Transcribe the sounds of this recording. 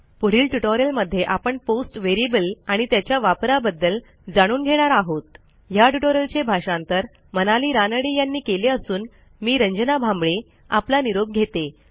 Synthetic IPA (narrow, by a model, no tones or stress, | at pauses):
puɽ̤iːlʈuʈoɾjəlməd̪ʱːjeʔapəɳposʈʋeɾibəlaɽ̃it̪jat͡ɕjaʋapɾabəd̪ːəl | d͡zaɽ̃uːnɡʱeɽ̃aɾaɦot̪ | jaʈuʈoɾjəlt͡ɕebʱaʂãnt̪əɾ | mənaliːɾanəɽiːjanːiːkeleəsuːn | miːɾəɲd͡ʑnabʱãmbɭe | a̰planiɾob̚ɡʱet̪e